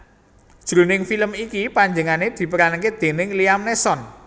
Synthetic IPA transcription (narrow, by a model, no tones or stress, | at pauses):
d̥ʒ̥ɾṳnɪŋfiləmikipaɲd͡ʒəŋaned̪̥i̤pəɾanked̪̥e̤nɪŋliamnesɔn